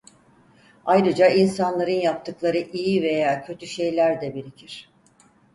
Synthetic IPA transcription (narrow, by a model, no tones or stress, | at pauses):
ajɾɯd͡ʒainsanlˠaɾɯnjap̚t̪ʰɯklˠaɾɯʔijive̞jaːcʰø̞t̪ʰyʃe̞jlʲæɾd̪ɛbiɾicʰiɾ̥